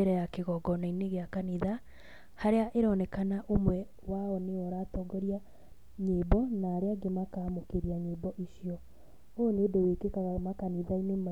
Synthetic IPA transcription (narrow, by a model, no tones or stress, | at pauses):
eɾɛjakeɣɔɡɔnaineɣeakaniða | haɾeaʔeɾɔnɛkanaʔomwɛ | waɔneɔɾaːtɔːɡɔɾja | ɲebɔnaːɾeaɡemakamokeɾiaɲeːbɔʔiʃiɔ | onedowekekaɣamakaniðainema